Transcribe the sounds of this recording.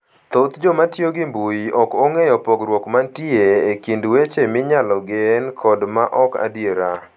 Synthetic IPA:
t̪ot̪d͡ʒomatjoɡɪmbujiɔkoŋɛjɔpoɡɾwɔkmantieekindwet͡ʃemɪɲalɔɡɪnkʰɔdmaʔɔka̰dieɾa

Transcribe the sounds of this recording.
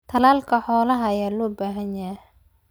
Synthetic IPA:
t̪ʰɐlaːlkʰɐħɔːlɐɦɐɐjaːlɔːbaːɦɐnja

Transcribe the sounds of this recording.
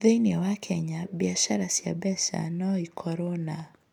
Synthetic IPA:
ðɛniawakʰɛɲaɓiaʃaɾasia̰ɓɛsa̰naɔikʰɔɾɔna

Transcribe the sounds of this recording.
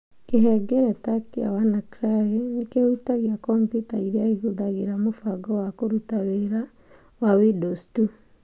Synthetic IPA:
keɦɛɡɛɾɛtakia̰wanakɾajenikeutaɣjakɔmpjutaiɾjaihuðaɣeɾamofaɡɔwakoɾutaweɾa | wawidɔstu

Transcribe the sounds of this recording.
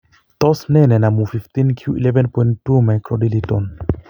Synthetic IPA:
t̪ɔsnenenamufift̪inkʰiuʔḭlevɛnpoĩntːumajkɾɔdiliton

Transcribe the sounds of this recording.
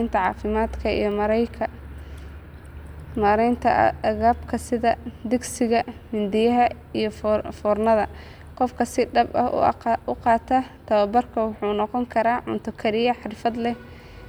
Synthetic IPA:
nt̪ʰɐʕɑ̰ːfɪmaːd̪kʰɐḭjɞmɐɾjkʰɐ | mɐɾɛjnt̪ʰɐɐɣaːbkʰɐsɪðɐd̪ɪɡsɪɣɐmɪnd̪ɪjɐɦɐ | ijɞffɔːrnɐðɐ | qɔfkʰɐsɪɖɐbɐ̰hʊqɑːt̪ʰɐt̪ʰɐwɐbɐrkʰɐwʊħuːnɔqɔŋkʰɐɾaːʕʊ̰nt̪ʰʊkʰɐɾɪjɐħɑɾɪfɐd̪lɛ

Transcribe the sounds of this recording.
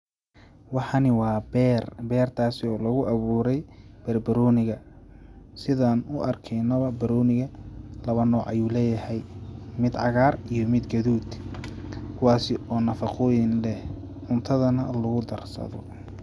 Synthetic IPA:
wɑħɑnɪwɑːbɛrbɛːrt̪ʰaːsɪɔːlɐɣʊʔɐβuːɾɛjb̥ɐrbɐɾɔːnɪɣɐ | sɪðaːnʊʔɐrkʰɛjnɔβɐbɐɾɔːnɪɣɐlɐβɐnɔːʕɐjuːlɛːjɐhɛjmɪd̪ʕɑɣaːrijɔmɪd̪ɡɐðuːd̪ | kʰʊwaːsɪʔɔːnɐfɑqʰɔːjɪnlɛh | ʕʊnt̪ʰɐðɐnɐlʊɣʊd̪ɐrsɐ̰ðɔ̰

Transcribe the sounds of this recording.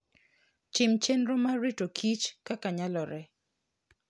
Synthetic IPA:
t͡ʃɪmt͡ʃenɾomaɾitokʰit͡ʃkakaɲalɔɾɛ

